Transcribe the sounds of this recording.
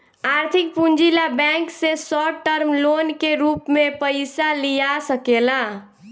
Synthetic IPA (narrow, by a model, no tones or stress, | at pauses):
aɾt̪ʰik̚pund͡ʒilabɛŋksesɔʈəɾmlonkeɾupmepəɪsalijasəkela